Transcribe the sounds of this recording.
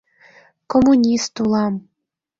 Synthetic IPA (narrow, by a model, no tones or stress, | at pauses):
komunʲist̪ulˠɑm